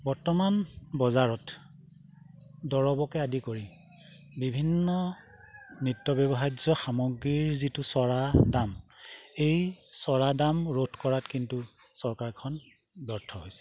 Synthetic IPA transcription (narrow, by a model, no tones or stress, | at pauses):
bɔɹtɔmanbɔzaɹɔt | dɔɹɔbɔkɛadikoɹi | bibʱinːɔ | nitːɔbjɔbɔɦad͡ʒɔxamɔɡɹiɹzitusɔɹadamejsɔɹadamɹotʰkɔɹatkintu | sɔɹkaɹkʰɔn | bɔɹtʰːɔɦojsɛ̥